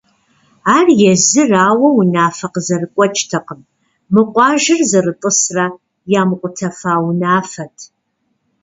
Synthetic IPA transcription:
aːrjɛzɨraːwɐwʊnaːfɐqzɐrɨkʷʼɔt͡ʃʼtʰɐqəm | mɨqʷʼɑːʒɪrzɐrɨtʼəsrɐ | jaːmqʷʼʊtʰɐfaːwnaːfɐtʰ

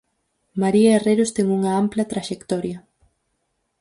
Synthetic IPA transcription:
maɾiaereɾost̪ɛŋuŋɐamplɐt̪ɾaʃekt̪ɔɾjɐ

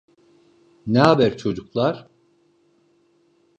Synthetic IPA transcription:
nɛɦabæɾt͡ʃʰo̞d͡ʒuklˠaɾ̥

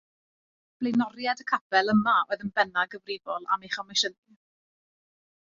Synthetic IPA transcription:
b̥lejnɔɾjadəkʰab̥ɛlˠəmaoːðənbɛnaɡəvrɪvɔlˠa̰meχɔmɛʃəði

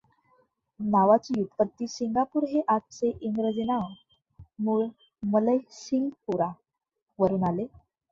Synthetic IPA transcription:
naʋat͡ɕiːjut̪kət̪ːiːɕiŋɡapuːɾɦeʔaʈ̚t͡seʔiŋɡɾəd͡zena | muːɭ | mələjɕiŋɡpuɾa | ʋəɾuːnale

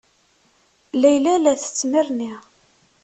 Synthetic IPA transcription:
læjlælæθə̥t͡sːmiɾniʁ

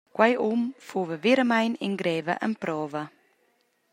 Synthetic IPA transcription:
kwajumfuːvəveɾəmajninɡɾɛːvə̰ʔə̰npɾɔːvə

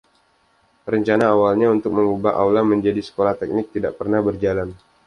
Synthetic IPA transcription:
rəɲt͡ʃanaːwalɲaunt̪ʊk̚məŋubaʔa̰wlaməɲd͡ʒadisə̥kolaht̪ɛk̚nɪk̚t̪idaʔpərnahbərd͡ʒalan

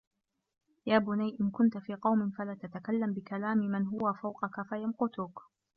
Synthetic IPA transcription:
jaːbʊnajʔɪnkʊnt̪afiːqɑwmɪnfalaːt̪at̪akalːambɪkalaːmɪmanɦʊwafawqɑkafajamqʊt̪ʊk

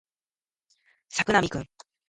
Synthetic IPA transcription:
sakɯ̟namʲikɯ̟̃ŋ

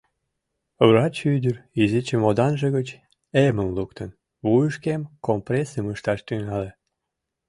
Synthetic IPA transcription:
βrɑt͡ɕyd̪ʲərizit͡ɕemod̪ɑnʒeɣət͡ɕ | eməmluk̚t̪ən | βujəʃkemkompresəməʃt̪ɑʃt̪yŋɑle

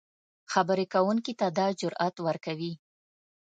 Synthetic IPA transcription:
xabəɾekawuŋkit̪ad̪ɑd͡ʒʊɾʔat̪wəɾkawi

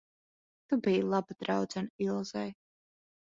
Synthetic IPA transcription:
t̪ubijlˠabad̪̥ɾawd̪zɨnilˠz̥aj

